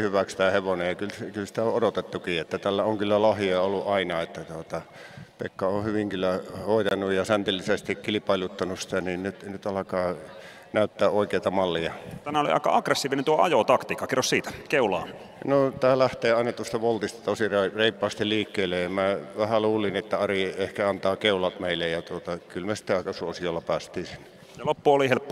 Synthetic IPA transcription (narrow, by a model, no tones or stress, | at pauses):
hyʋækst̪æːheʋonejɑkylsekylsi̥t̪æoʔodot̪et̪ːukiːet̪ːæt̪ælːæoŋkylːælɑhiɑolːuʔʔɑinɑet̪ːæt̪uot̪ɑ | pḛkːɑohyʋiŋkylːˑæhoˑit̪ɑnujjɑsænt̪ilːisest̪ikkilipɑˑilut̪ːɑnussi̥t̪æniːnnyt̪nyt̪ɑlɑkɑː | næˑyt̪ːæːʔʔoˑikeˑit̪ɑmɑlːiɑt̪æmæolḭɑ̰ikɑ̰ʔɑɡresːiːʋinent̪uoɑ̰jot̪ɑkt̪iːkːɑkirːossiːt̪æ̥keulɑ̰ː | not̪æːlæht̪eːɑˑinɑt̪uost̪ɑʋolt̪ist̪ɑ̥t̪osirɑreˑipːɑˑːst̪illiːkːeːlːejɑmæʋæhæluːlinet̪ːæɑriehkæɑnt̪ɑːkeˑulɑt̪meˑilːejjɑt̪uot̪ɑkylmæsi̥t̪æɑˑkɑsuosijolːɑpæːst̪ˑiːsinː | jɑlopːuolihelpː